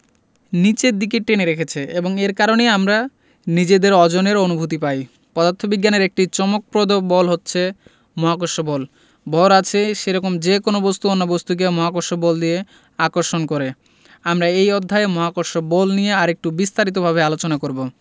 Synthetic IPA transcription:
nit͡ɕed̪ik̬eʈːeneɾekʰet͡ɕʰieboŋeɾkaɾoneamɾa | nid͡ʑed̪eɾɔd͡ʑoneɾonubʱut̪̬ipaj | pɔd̪at̪ʰːobiɡːaneɾek̚ʈit͡ɕɔmok̚pɾod̪obɔlɦotːɕʰe | mɔɦakoʃobɔl | bɔlat͡ɕʰeʃeɾɔkomd͡ʑekonobost̪uonːabost̪uk̬emɔɦakoɾʃobɔld̪ije | akoɾʃonkoɾe | amɾaejɔd̪ʱːaemɔɦakoʃobɔlnijeaɾek̚ʈubist̪aɾit̪̬obʱabealot͡ɕonakoɾbo

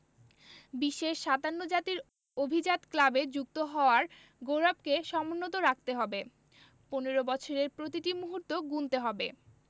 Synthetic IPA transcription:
biʃːeʃʃad̪anːod͡ʑat̪iɾ | obʱid͡ʑat̪klabed͡ʑuk̚t̪oɦɔoaɾ | ɡoɾab̚keʃɔmonːot̪oɾak̚t̪eɦɔbe | poneɾobɔt͡ɕʰoɾeɾpɾot̪iʈimuɦuɾt̪oɡunt̪eɦɔbe

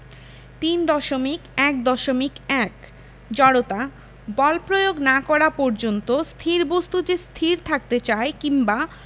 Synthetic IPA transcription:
t̪ind̪ɔʃomikɛkd̪ɔʃomikɛk | d͡ʑɔɽot̪a | bɔlpɾojoɡnakɔɾapɔɾd͡ʑont̪ost̪ʰiɾbost̪ud͡ʑest̪ʰiɾt̪ʰak̚t̪et͡ɕaekiŋba

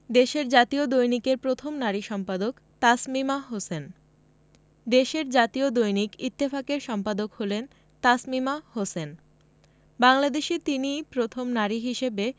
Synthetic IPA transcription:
d̪eʃeɾd͡ʑat̪iod̪ojnikeɾpɾot̪ʰomnaɾiʃɔmpad̪ok | t̪asmimaɦosen | d̪eʃeɾd͡ʑat̪iod̪ojnikit̪ːifakeɾʃɔmpad̪okholen | t̪asmimahosen | baŋlad̪eʃit̪inipɾot̪ʰomnaɾiɦiʃebe

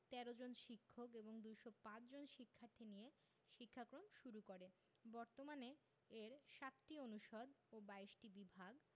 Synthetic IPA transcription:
t̪ɛɾod͡ʑonʃikʰːokeboŋd̪ujʃopãt͡ɕd͡ʑonʃikʰːaɾt̪ʰinije | ʃikʰːakɾomʃuɾukoɾe | bɔɾt̪omane | eɾʃat̪ʈionuʃod̪obajʃʈibibʱaɡ

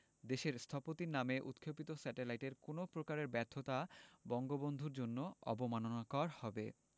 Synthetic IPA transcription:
d̪eʃeɾst̪ʰapot̪inameʔṵt̪kʰːopit̪osɛʈelajʈeɾkonopɾokaɾeɾbɛɾt̪ʰːot̪abɔŋɡobond̪ʱuɾd͡ʑonːoɔ̰bomanonakɔɾhɔbe

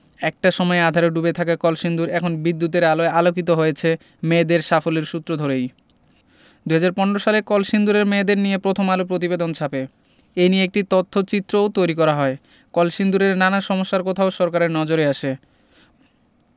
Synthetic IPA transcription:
ɛk̚ʈaʃɔmɔead̪ʱaɾoɖubet̪ʰakakɔlʃind̪uɾɛkʰonbid̪ːut̪̬eɾaloealokit̪oɦojet͡ɕʰe | med̪eɾʃafoleɾʃut̪ːɾod̪ʱoɾej | d̪uɦad͡ʑaɾpɔneɾoʃalekɔlʃind̪uɾeɾmed̪eɾnijepɾot̪ʰomalopɾot̪̬ibed̪ont͡ɕʰape | ejnijeek̚ʈit̪ot̪ʰːot͡ɕit̪ːɾoot̪ojɾikɔɾaɦɔe | kɔlʃind̪uɾeɾnanaʃɔmoʃːaɾkot̪ʰaoʃɔɾkaɾeɾnɔd͡ʑoɾeaʃe

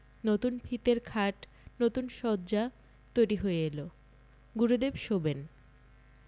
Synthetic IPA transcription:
not̪unbʰʱit̪eɾkʰaʈ | not̪unʃɔd̪d͡ʑa | t̪ojɾiɦoeelo | ɡuɾud̪ebʃoben

